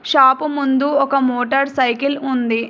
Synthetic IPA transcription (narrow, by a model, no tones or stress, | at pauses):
ʃaːpumund̪uɔkɐmoːʈɐɾsɐjkilund̪i